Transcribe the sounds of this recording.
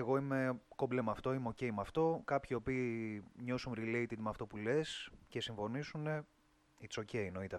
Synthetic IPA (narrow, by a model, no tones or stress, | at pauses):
eɣo̞ime̞ko̞blemɐft̪o̞imeo̞ce̞jimɐft̪o̞kɐpçio̞piːɲo̞sunɾilejt̪id̪mɐft̪opule̞sce̞siɱfo̞nisune̞ | it͡so̞ce̞ino̞it̪e